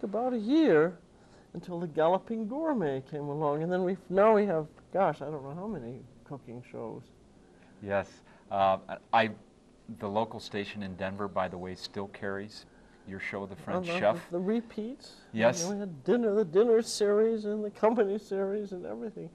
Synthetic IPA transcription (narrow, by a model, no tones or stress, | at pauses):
kəbaʊɾɨjɪɹ | ə̃n̩tʰɪlˠðɨɡælˠəpɪ̃ŋɡɔɹmeɪkʰẽɪ̃məlɔ̃ŋɨ̃nðɨ̃nwinaʊwiəvɡ̥ɑʃaɪdõʊ̃nːoʊhaʊmɛnikʰʊkɪ̃ŋʃo̰ʊz̥ | jɛs | aɪ | ðəloʊkl̩ˠsteɪʃɨ̃nɨ̃ndɛ̃nvə˞baɪðəweɪstɪlˠkʰɛɹiz̥ | jə˞ʃoʊðɨfɹɛ̃ɛfðəɹipʰits | jɛswiɨddɪ̃nə˞ðɨdɪ̃nə˞sɪɹizɨ̃nðɨkʰʌ̃mpɨnisɪɹizɨ̃nɛ̰vɹiθɪ̃ŋ